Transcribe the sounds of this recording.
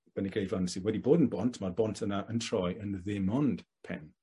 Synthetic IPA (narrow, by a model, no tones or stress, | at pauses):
b̥ɛniɡrejdlansiwɛdiboːdənbɔntʰmarbɔntʰənaʔəntʰrɔjənðɪmɔnd̥pʰɛ̰n